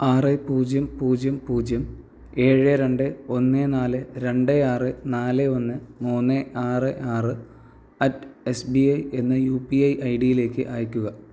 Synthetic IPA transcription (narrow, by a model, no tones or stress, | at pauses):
aːrepuːd͡ʑjɐmpuːd͡ʑjɐmpuːd͡ʑjɐm | e̞ːɻɨɾe̞ɳɖɨo̞nːenaːlɨɾe̞ɳɖeaːrɨnaːlɨo̞nːɨmuːnːeaːrɨʔaːrɨ | ɐtːesbiɐje̞nːɨjuːpiɐjʔɐjɖijile̞ːkʲːɨ̰ʔaːjikʲːuɣɐ